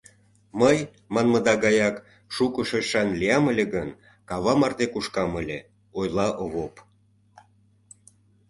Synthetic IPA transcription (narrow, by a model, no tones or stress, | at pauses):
məj | mɑnmə̆d̪ɑɣɑjɑk | ʃukəʃeʃɑnliɑməlʲeɣən | kɑβɑmɑrd̪ekuʃkɑməlʲḛ | ojlɑʔoβop